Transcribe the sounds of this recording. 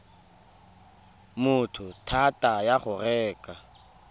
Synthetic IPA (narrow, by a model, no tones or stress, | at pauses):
mʊtʰʊtʰatʼajaχʊrɛːkʼa